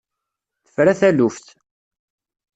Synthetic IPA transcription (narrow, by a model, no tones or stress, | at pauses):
θə̥fɾæθælufθ